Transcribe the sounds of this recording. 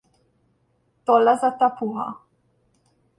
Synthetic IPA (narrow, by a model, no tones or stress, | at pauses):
t̪olazat̪apuɦa̰